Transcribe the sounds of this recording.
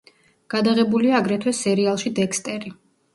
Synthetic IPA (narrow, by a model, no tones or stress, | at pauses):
ɡ̥ad̪aʁɛbuliaːɡɾɛt̪ʰwɛsɛɾialˠʃid̪ɛkst̪ʼɛɾi